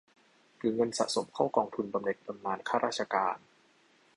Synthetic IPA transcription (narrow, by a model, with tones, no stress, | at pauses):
kʰɯː˧ŋɤ˧nsa̰˨ʔso˩˦mkʰaː˥˩wkɔː˧ŋt̪ʰu˧nba˧mne˨˩k̚pa˧mnaː˧nkʰaː˥˩ɾʔaː˥˩t̚t͡ɕʰa˧kaː˧n